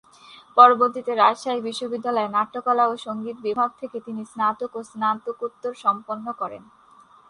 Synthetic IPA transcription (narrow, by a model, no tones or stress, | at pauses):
pɔɾoboɾt̪it̪eɾaʃaibiʃːobid̪ːalɔenaʈːokalaoʃoŋɡit̪̚bibʱaɡ̚t̪ʰeket̪inisnat̪okosnat̪okot̪ːoɾʃɔmponːokɔɾḛn